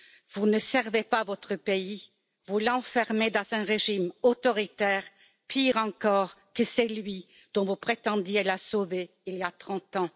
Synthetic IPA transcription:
vunəsɛʁvepavɔt̪χəpei | vulɑ̃fɛʁmed̪ɑ̃zɛ̃ʁeʒimot̪ɔʁit̪ɛːʁ | piʁɑ̃kɔʁkəsɛlɥi | d̪̥ɔ̃vupχet̪ɑ̃d̪jelasove | iliat̪χɑ̃t̪ɑ̃

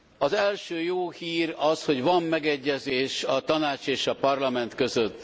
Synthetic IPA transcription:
ɒzɛlʃøːjoːhiːrɒsho̞ɟvɒmːɛɡɛɟːɛzeːʃɒt̪ɒnaːt͡ʃeːʃɒpɒrlɒmɛnt̪kø̞zøt̪ː

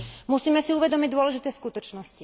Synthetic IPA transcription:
musiːmɛsiuʋɛd̪ɔmiɟd̪ʊɔlɛʒit̪ɛːskut̪ɔt͡ʃnɔsci

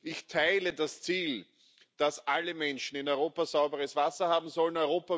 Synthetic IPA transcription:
ɪçtʰaɪlədast͡siːl | d̥asʔaləmɛnʃn̩ɪnɔʏʁoːpazaʊbəʁəsv̥asɐhaːbm̩zɔlənɔʏʁoːpɐ

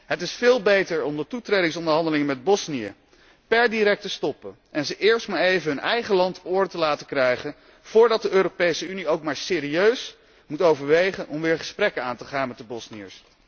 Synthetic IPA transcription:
ɦətɪsfɪːlˠbejtəɹɔmdətutrejdɪŋsɔndəɹɦɑndəlɪŋənmɛd̚bɔsnijə̰ | pɛɹdiɾɛk̚təstɔpə | ʔɛnzəʔɪːɹstmaːɹejvənɦɵnɛjχəlɑntʊːɹdətəlaːtəkrɛjχən | v̥ʊːɹdɑt̚dəøːɾopejsəyniowkmaːɹsɪːɾiøɥs | mutowvəɹʋejχənʔɔmʋɪːɹχəsprɛkənaːntəχaːnmɛt̚dəbɔsniə̰ɹs

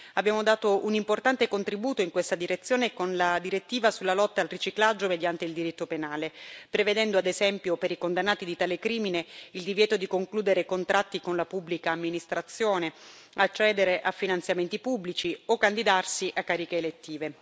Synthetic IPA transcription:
abːjaːmod̪aːt̪oʔunimport̪ant̪ekont̪ɾibuːt̪oiŋkwest̪ad̪iɾet̪sːjoːnekonlad̪iɾet̪ːiːvasulːalɔt̪ːaːlrit͡ʃiklad͡ʒːomed̪jant̪eild̪iɾit̪ːopenaːlepɾeved̪ɛnd̪oad̪ezɛmpjopeɾikond̪anːaːt̪id̪it̪aːlekɾiːmineild̪ivjɛːt̪od̪ikoŋkluːd̪eɾekont̪ɾʔat̪ːikonlapubːlikaːmːinist̪ɾat̪sːjoːne | at͡ʃːɛːd̪eɾeʔafːinant̪sjament̪ipubːlit͡ʃiokːand̪id̪arsiʔakːaːɾikeːlet̪ːiːve

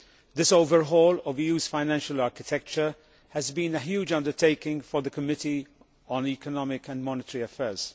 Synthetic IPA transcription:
ðɪsoʊvəɹɦɔːləvjuːz̥fãɪnæ̃nʃəlɑɹkɪtʰɛk̚t͡ʃə˞ | əzbĩnəɦjuːd͡ʒʌ̃ndə˞tʰeɪkɪ̃ŋfə˞ðəkʰəmɪti | ə̃nikənɔmɪkə̃nmɔnɪtəɹiəfɛːz̥

